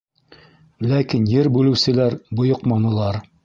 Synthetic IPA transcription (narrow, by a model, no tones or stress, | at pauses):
lækinjɘɾbʉlɘ̆wsɘ̆læɾbŏjŏqmɑnɤ̆lˠɑɾ